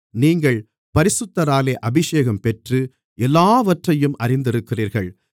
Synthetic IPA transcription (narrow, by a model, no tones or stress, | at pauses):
niːŋɡɐɭ | pɐɾɪsɯt̪ːɐɾaːleːʔɐbɪʂeːɣɐmpɛʈrɯ | ʔɛlːaːʋɐʈrɐjɯmʔɐrɪnd̪ɪɾɯkːɪriːɾɣɐɭ